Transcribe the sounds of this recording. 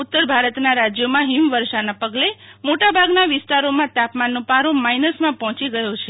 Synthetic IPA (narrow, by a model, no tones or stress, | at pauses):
ut̪ːəɾbʱaɾət̪naɾad͡ʒjomãɦimʋəɾʃanapəɡlemoʈabʱaɡnaʋɪst̪aɾomãt̪apmanːõpaɾõmainəsmãpɔɦɔ̃t͡ʃiɡəjot͡ʃʰe